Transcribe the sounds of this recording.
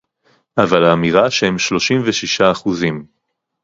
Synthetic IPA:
ʔavalaːmiʁaʃehemʃlo̞ʃimveʃiʃaːχuzim

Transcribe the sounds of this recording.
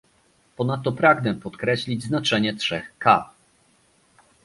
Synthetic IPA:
pɔnat̪ːɔpɾaɡnɛpɔt̪kɾɛɕlʲid͡ʑznat͡ʂɛɲɛtʂɛxka

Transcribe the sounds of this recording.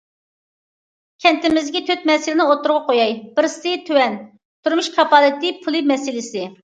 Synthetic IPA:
kʲʰɛnt̪ɪmɪzɡʲɛt̪ʰøt̪̚mɛsɪlɪnɪot̪ːʊɾʁɑqʰojɑjbɪɾsɪt̪ʰøwɛn | t̪ʰuɾmuʃkʰɑpɑlˠɪt̪ɪpʰulˠɨmɛsɪlɪsɪ

